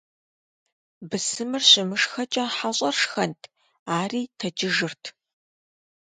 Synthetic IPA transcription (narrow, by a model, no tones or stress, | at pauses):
bɨsɨmɨrɕɪmɨʂxɐt͡ʃʼɐħaɕʼɐrʂxɐntʰ | aːriːtʰɐd͡ʒɪʒɨrtʰ